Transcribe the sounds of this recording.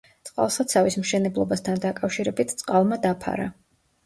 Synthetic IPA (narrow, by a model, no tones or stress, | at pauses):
t̪sʼqʼa̰lˠsat̪sʰavismʃɛnɛblˠɔbast̪ʰand̪akʼafʃiɾɛbit̪ʰt̪sʼqʼalˠmad̪apʰa̰ɾa̰